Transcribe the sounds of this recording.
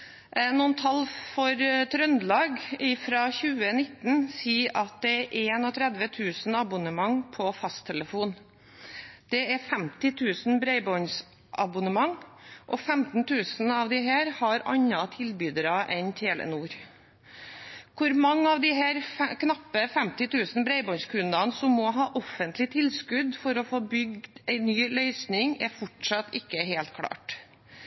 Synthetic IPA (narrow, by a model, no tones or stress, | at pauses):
nuːnt̪ʰɑlfɔɾt̪ʰɾœnd̪lɑːɡɪfɾɑːçʉːənɪt̪n̩siːʔɑt̪̚d̪ɛɾʔeːnɔt̪ʰɾɛd̪ʋət̪ʰʉːsn̩ɑbʊnəmɑŋpʰɔfɑst̪ʰɛləfuːn | d̪̥ɛɛfɛmt̪ɪt̪ʰʉːsn̩bɾeɪbɔns | ʔɑbʊnəmɑŋʔɔfɛmt̪n̩t̪ʰʉːsn̩ɑʋd̪ɪɦæːɾhɑɾɑ̰ɲːɑt̪ʰɪlbyːd̪əɾɑʔɛnt̪ʰeːlʔə̰nuːɾ | kʰʊɾmɑŋːɑʋd̪ɪɦæːɾkʰnɑpːəfɛmt̪ɪt̪ʰʉːsn̩bɾeɪbɔnskʰʉnd̪ɑnsɔmːɔɦɑːʔɔfənt̪lɪt̪ʰɪlskʉd̪fɔɾɔfoːbʏɡd̪d̪æɪnyːlœʏsnɪŋɛfɔʈʂɑt̪ɪkːəɦeːlt̪kʰɽɑ̰ːʈ